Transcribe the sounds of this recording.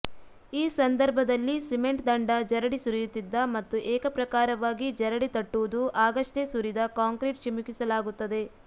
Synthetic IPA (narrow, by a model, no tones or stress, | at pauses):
iːsɐnd̪ɐɾbʱɐd̪ɐlːisimeɳʈd̪ɐɳɖɐd͡ʒɐɾɐɽisuɾijut̪ːid̪ːɐmɐt̪ːuʔɛːkɐpɾɐkaːɾɐʋaːɡid͡ʒɐɾɐɽit̪ɐʈːuʋud̪uʔaːɡɐʂʈesuɾid̪ɐkaːŋkɾiʈʃɐmukisɐlaːɡut̪ːɐd̪e̞